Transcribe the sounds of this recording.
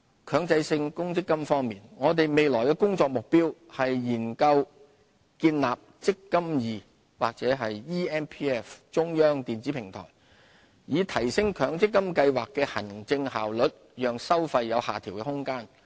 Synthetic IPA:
kʰœː˨˧ŋt͡sɐ˧jsɪ˧ŋkʊ˥ŋt͡sɪ˥kːɐ˥mfɔː˥ŋmiː˨nŋɔː˨˧t̪e˨jme˨jlɔː˨˩jkɛː˧kʊ˥ŋt͡sɔː˧k̚mʊ˨k̚piː˥whɐ˨jːiː˨˩nkɐ˧w | kiː˧nlaː˨p̚t͡sɪ˥kːɐ˥mjiː˨˧ | wa̰ː˨˩k̚t͡sɛː˨˥ɦɐ˨jːiː˥ɛː˥npʰi˥ɛ˥ft͡sʊ˥ŋjœː˥ŋt̪iː˨nt͡siː˨˥pʰɪ˨˩ŋt̪ʰɔ̰ː˨˩j | jiː˨˧t̪ʰɐ˨˩jsɪ˥ŋkʰœː˨˧ŋt͡sɪ˥kːɐ˥mkɐ˧jwaː˨kːɛː˧hɐ̰˨˩nt͡sɪ˧ŋɦa̰ː˨wlɵ˨˥t̚jœː˨ŋsɐ˥wfɐ˧jːɐ˨˧wha̰ː˨t̪ʰiː˨˩wkɛ˧hʊ˥ŋkaː˥n

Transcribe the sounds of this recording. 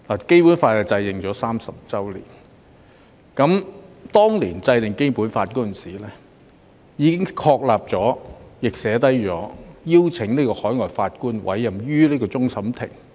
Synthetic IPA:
laː˨˩ke˥jpuː˨˥nfaː˧t̚ɛ˧t͡sɐ˧jt̪ɪ˨˩ŋt͡ʃɔː˨˥saː˥msɐ˨p̚t͡sɐ˥wlḭː˨˩n | kɐ˨˥mt̪ɔː˥ŋliː˨˩nt͡sɐ˧jt̪ɪ˨˩ŋke˥jpuː˨˥nfaː˧t̚kɔː˥ə˨nsiː˨˩lɛː˥ | jiː˨˧kɪ˥ŋkʰɔː˧k̚laː˨p̚t͡sɔː˨˥jɪ˨k̚sɛː˨˥t̪ɐ˥jt͡sɔː˨˥jiː˥wt͡sʰɪ˨˥ŋniː˥kɔː˧hɔː˨˥jŋɔː˨jfaː˧t̚kuː˥nwʔɐ̰˨˥jːɐ˨mjyː˥liː˥kɔː˧t͡sʊ˥ŋsɐ˨˥mt̪ʰɪ̰˨˩ŋ

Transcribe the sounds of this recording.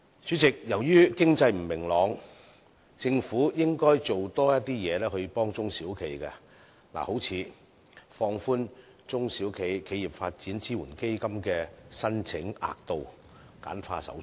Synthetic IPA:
sy˨˥t͡sɪ˨k̚jɐ˨˩wjyː˥kɪ˥ŋt͡sɐ˧jm̩˨˩mɪ˨˩ŋlɔː˨˧ŋ | t͡sɪ˧ŋfuː˨˥jɪ˥ŋkɔː˥jt͡so˨wt̪ɔː˥jɐ˥t̚t̪iː˥jɛː˨˧lɛː˥hɵ˧ɥpɔː˥ŋt͡sʊ˥ŋsiː˨˥wkʰe˨˧˩jkɛ˧ | la̰ː˨˩ho˨˥wt͡sʰiː˨˧ | fɔː˧ŋfuː˥n | t͡sʊ˥ŋsiː˨˥wkʰe˨˧jkʰe˨˧jiː˨˩p̚faː˧t̚t͡siː˨˥nt͡siː˥wuː˨˩nke˥jkɐ˥mkɛː˧sɐ˥nt͡sʰɪ˨˥ŋa̰ː˨k̚t̪o˨w | ka̰ː˨˥nfa̰ː˧sɐ̰˨˥w

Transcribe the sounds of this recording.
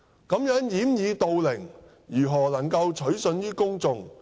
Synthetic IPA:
kɐ˨˥mjœː˨˥ŋjiː˨˥mjiː˨˧t̪o˧wlɪ˨˩ŋ | jyː˨˩ɦɔː˨˩lɐ˨˩ŋkɐ˧wt͡ʃʰɵ˨˥ɥsɵ˧njyː˥kʊ˥ŋt͡sʊ˧ŋ

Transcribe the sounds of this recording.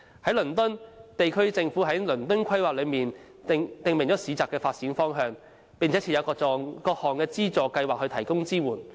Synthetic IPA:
hɐ˨˥jlɵ˨˩nt̪ɵ˥nt̪e˨jkʰɵ˥t͡sɪ˧ŋfuː˨˥ɦɐ˨˥jlɵ˨˩nt̪ɵ˥nkʷʰɐ˥jwaː˨k̚lɵ˨˧ɥmiː˨n˨ | t̪ɪ˨ŋm˨˩ŋt͡ɕɔː˨˥siː˨t͡saː˨kːɛː˧faː˧t̚t͡siː˨˥nfɔː˥ŋɦœː˧ŋ | pɪ˨ŋt͡sʰɛ˨˥t͡sʰiː˨˧˩jɐ˨˧wkɔː˧ɔ˧kɔː˧k̚hɔː˨˩ŋkɛː˧t͡siː˥t͡sɔː˨˩kɐ˧jwaː˨k̚hɵ˧ɥt̪ʰɐ˨˩jkʊ˥ŋt͡siː˥wuː˨˩n

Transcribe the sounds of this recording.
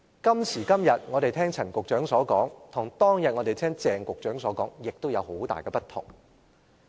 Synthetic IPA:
kɐ˥msʰiː˨˩kɐ˥mjɐ˨t̚ŋɔː˨˧ɾe˨jt̪ʰɛː˥ŋt͡sʰɐ˨˩nkʷʊ˨k̚t͡ʃœː˨˥ŋsɔː˨˥kɔː˨˥ŋt̪ʰʊ˨˩ŋt̪ɔː˥ŋjɐ˨t̚ŋɔː˨˧t̪e˨jt̪ʰɛː˥ŋt͡sɛː˨˩ŋkʷʊ˨k̚t͡ʃœː˨˥ŋsɔː˨˥kɔː˨˥ŋjɪ˨k̚t̪o˥wjɐ˨˧who˨˥wt̪a̰ː˨jkɛː˧pɐ˥t̪̚ʰʊ̰˨˩ŋ

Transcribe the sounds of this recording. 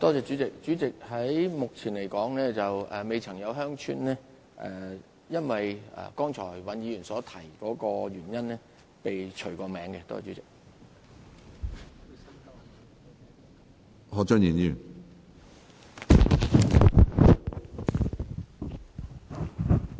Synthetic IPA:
t̪ɔː˥t͡sɛː˨˧t͡syː˨˥t͡sɪ˨k̚t͡syː˨˥t͡sɪ˨k̚hɐ˨˥jmʊ˨k̚t͡sʰiː˨˩nle˨˩jkɔː˨˥ŋlɛː˥t͡sɐ˨wɛ˨me˨˧jt͡sʰɐ˨˩ŋjɐ˨˧wɦœː˥ŋt͡ʃʰy̰ː˥nɛː˥ | ʔɛ̰˨ | jɐ˥nwɐ˨jɛ̰˨kɔː˥ŋt͡ʃʰɔː˨˩jwɐ˨˧njiː˨˧jyː˨˩nsɔː˨˥t̪ʰɐ˨˩jkɔː˨˥kɔː˧ɥyː˨˩njɐ˥nlɛː˥ | pe˨jt͡ʃʰɵ˨˩ɥkɔː˧mɛː˨˥ŋkɛ˧t̪ɔː˥t͡sɛː˨˩t͡ʃyː˨˥t͡sɪ˨k̚ | hɔ˨˧t͡ʃœ˥njiː˨˩ni˨˩n

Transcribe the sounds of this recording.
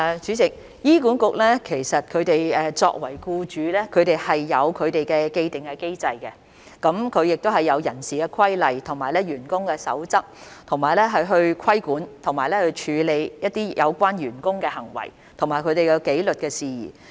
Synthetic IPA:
t͡ʃyː˨˥t͡sɪ˨k̚ | jiː˥kuː˨˥nkʊ˨k̚lɛː˥kʰe˨˩jsɐ˨t̚kʰɵ˨˧ɥt̪e˨jɛː˨t͡sɔ̰ː˧k̚wɐ˨˩jkuː˧t͡ʃyː˨˧lɛː˥kʰɵ˨˧ɥt̪e˨jhɐ˨jːɐ˨˧wkʰɵ˨˧ɥt̪e˨jkɛ˧ke˧jt̪ɪ˨˩ŋkɛ˧ke˥jt͡sɐ˧jkɛ˧ | kɐ˨˥mkʰɵ˨˧ɥjɪ˨k̚t̪o˥ɦɐ˨jːɐ˨˧wjɐ˨˩nsiː˨kɛː˧kʰɐ˥jlɐ˨jt̪ʰʊ˨˩ŋmaː˨˩jlɛː˥ɥyː˨˩nkʊ˥ŋkɛː˧sɐ̰˨˥wt͡sɐ˥p̚t̪ʰʊ˨˩ŋmaː˨jlɛː˥ɦɐ˨˧jɦɵ˧ɥkʰɐ˥jkuː˨˥nt̪ʰʊ˨˩ŋmaː˨˩lɛː˥hɵ˧t͡ʃʰyː˨˧le˨˧jjɐ˥t̚t̪ːiː˥jʔɐ˨˧wkʷwaː˥nɥyː˨˩nkʊ˥ŋkɛː˧hɐ˨˩ŋwɐ̰˨˩j | t̪ʰʊ˨˩ŋmaː˨˩jkʰɵ˨˧t̪e˨jkɐ˨˧wke˨˥jlɵ˨t̚kɛː˧siː˨jḭː˨˩

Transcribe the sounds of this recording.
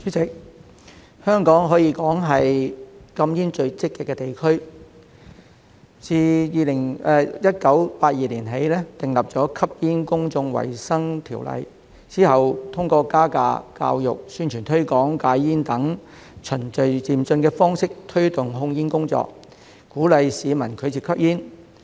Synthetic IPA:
yː˨˥t͡sɪ˨˥k̚ | hœː˥ŋkɔː˨˥ŋɦɔː˨˥jiː˧kɔː˨˥ŋɦɐ˨jkɐ˧mjiː˥nt͡ʃɵ˧ɥt͡sɪ˥kːɪ˨kːɛː˧t̪e˨˩jkʰɵ˥ɥ | t͡siː˧jiː˨lɪ˨˩ŋɛ˨˧jɐ˥t̚kɐ˨˥wpaː˧t̚jiː˨liː˨˩nɦe˨˥jlɛː˥t̪ɪ˨˩ŋlɐ˨p̚t͡sɔː˨˥kʰɐ˥p̚jiː˥nkʊ˥ŋt͡sʊ˧ŋwɐ̰˨˩jsɐ˥ŋt̪ʰiː˨˩wlɐ̰˨j | t͡siː˥hɐ˨wt̪ʰʊ˥ŋkɔː˧kaː˥ka̰ː˧ka̰ː˧wjʊ̰˨k̚syː˥nt͡ʃʰyː˨˩nt̪ʰɵ˥ɥkɔː˨˥ŋkaː˨˥jjiː˥nt̪ɐ˨˥ŋ | t͡ʃʰɵ˨˩nt͡sɵ˨ɥt͡siː˨mt͡sɵ˧nkɛː˧fɔː˥ŋsɪ˥k̚t̪ʰɵ˥ɥt̪ʊ˨˩ŋɦʊ˧ŋjiː˥nkʊ˥ŋt͡sɔ̰ː˧˨k̚ | kːuː˨˥lɐ˨jsiː˨˧mɐ˨˩nkʰɵ˨˧ɥt͡siː˧kʰɐ˥p̚jiː˥n

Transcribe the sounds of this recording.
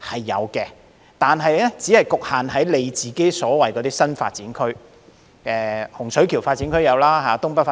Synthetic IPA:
hɐ˨˩jːɐ̰˨˧wkɛː˧ | t̪aː˨nɦɐ˨jlɛː˥t͡siː˨˥hɐ˨jkʊ˨k̚haː˨nɦɐ˨˥jle˨˧jt͡siː˨ke˥jsɔː˨˥wɐ˨jkɔ˨˧˥t̪iː˥sɐ˥nfa̰ː˧t̚t͡siː˨˥nkʰɵ˥ɥ | ʔɛː˧hʊ˨˩ŋsɵ˨˥ɥkʰiː˨˩wfaː˧t̚t͡siː˨˥nkʰɵ˥ɥjɐ˨˧wlaː˥ɦaː˨˦t̪ʊ˥ŋpɐ˥t̚fa˧

